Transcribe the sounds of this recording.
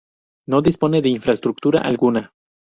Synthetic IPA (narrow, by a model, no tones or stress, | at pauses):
no̞ðispo̞neðeinfɾast̪ɾuk̚t̪uɾa̰ʔa̰lɡuna